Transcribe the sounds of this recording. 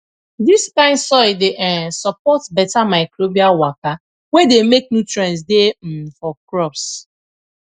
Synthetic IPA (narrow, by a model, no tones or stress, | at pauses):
diskãɪ̃nsɔideʔɛ̃sɔpɔtbɛtamaɪkɾobialwaka | wedemek̚nutɾɛ̃ns̬dem̩fɔkɾɔps